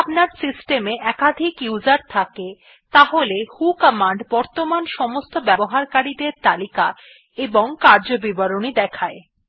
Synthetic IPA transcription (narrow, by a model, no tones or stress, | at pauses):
apnaɾsisʈemeʔɛkad̪ʱikjud͡ʑaɾt̪ʰake | t̪aɦolehukamaɳɖbɔɾt̪omanʃɔmost̪obɛboɦaɾkaɾid̪eɾt̪alika | eboŋkaɾd͡ʑobibaɾonid̪ɛkʰae